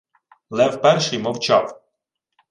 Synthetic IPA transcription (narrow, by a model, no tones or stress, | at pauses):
lˠɛwpɛɾʃɪjmɔwt͡ʃɑw